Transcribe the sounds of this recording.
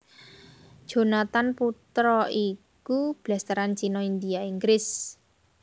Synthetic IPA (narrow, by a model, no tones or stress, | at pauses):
ʒ̥o̤nat̪anput̪ɾɔikub̥last̪əɾant͡ʃinɔind̪ijaiŋɡɾɪs